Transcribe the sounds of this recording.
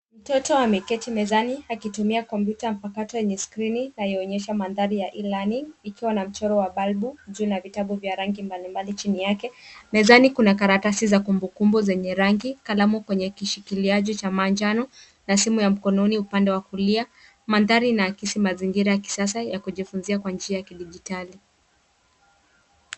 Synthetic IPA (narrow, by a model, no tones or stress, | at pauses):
m̩tɔtɔamɛkɛtimɛzaniakitumiakɔmpjutam̩pakatɔjɛɲɛskɾininajɛɔɲɛʃamanðaɾijaʔilaniikiwanam̩t͡ʃɔɾɔwaɓalɓuʄuːnavitaɓuvjaɾaŋɡimbalimbalit͡ʃinijakɛmɛzanikunakaɾatasizakumbukumbuzɛɲɛɾaŋɡikalamukwɛɲɛkiʃikiliaʄit͡ʃamand͡ʒanɔ | nasimujam̩kɔnɔniupandɛwakulia | manðaɾinaːkisimaziŋɡiɾajaki̥sas̬ajakuʄifunziakwand͡ʒiajakiɗiʄitali